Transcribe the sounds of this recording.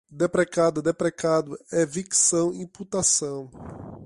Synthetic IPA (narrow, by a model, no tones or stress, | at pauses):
d̪epɾɛkad̪ʊd̪epɾɛkad̪ʊɛviksɐ̃w̃ĩput̪asɐ̃w̃